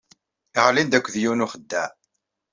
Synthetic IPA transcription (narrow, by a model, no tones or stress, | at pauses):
iʁlind̪ækʷːðjunuχəd̪ːæ